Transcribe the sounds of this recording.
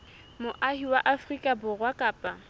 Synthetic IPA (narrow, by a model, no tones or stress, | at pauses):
mʊʔahiwaʔafrikʼabʊrwakʼaːpʼa